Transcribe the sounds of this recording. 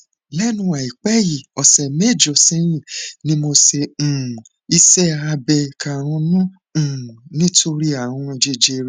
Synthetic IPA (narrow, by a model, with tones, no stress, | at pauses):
lɛ˦nũ˧˦a˨i˨k͡pɛ˦ji˨ɔ˨sɛ˨me˦˨d͡ʒɔ˨sĩ˦j̃ĩ˦˨nĩ˦mo˧sẽ˧˨ | i˧sɛ˦a˧bɛ˧ka˨ɾ̃ɔ̃˧nũ˦ | ũ˦˨nĩ˦tʰo˧ɾi˦a˦˨w̃ɔ̃˧d͡ʒe˧d͡ʒe˧ɾ